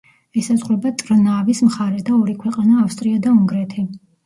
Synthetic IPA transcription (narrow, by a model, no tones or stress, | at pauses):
ɛsazʁwɾɛbat̪ʼɾnavismχaɾɛd̪aɔɾikʰwɛqʼanaːfst̪ʼɾiad̪auŋɡɾɛt̪ʰi